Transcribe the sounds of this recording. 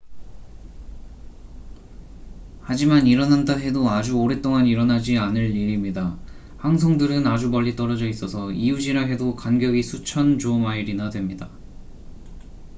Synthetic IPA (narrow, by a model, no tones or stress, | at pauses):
had͡ʑimaniɾʌnandaɦe̞doad͡ʑuoɾe̞t͈oŋaniɾʌnad͡ʑianɯɭːiɾimɲida | haŋs̬ʰʌŋdɯɾɯnad͡ʑumʌʎːit͈ʌɾʌd͡ʑʌis͈ʌsʰʌiud͡ʑiɾaɦe̞dokanɡjʌɡisʰut͡ɕʰʌnd͡ʑomaiɾinadwe̞mɲida